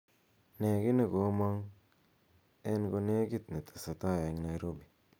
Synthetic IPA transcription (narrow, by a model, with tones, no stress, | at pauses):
ne˨ki˦ne˨ko˨˦mo˦ŋ | e˦nko˧ne˦ki˦tna˨tʰḁ˨sa˨ta˦˨je˨˦ŋ˦na˨i˦ɾo˦bi˨